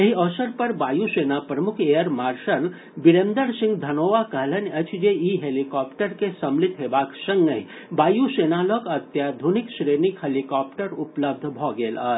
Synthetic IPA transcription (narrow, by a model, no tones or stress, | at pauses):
jeɦiɔsəɾpəɾbajusenapɾəmukʰejəɾmaɾʃəl | biɾend̪əɾsĩŋɡd̪ʱɐnoʋakəɦlenət͡ʃʰd͡ʒeiɦelikɔpʈəɾkesəmlit̪ɦebaksəŋɡəi | baːjusenalɔkət̪jad̪ʱuniksɾenikɦelikɔp̚ʈəɾupləb̚d̪ʱbʱɔɡela̰ː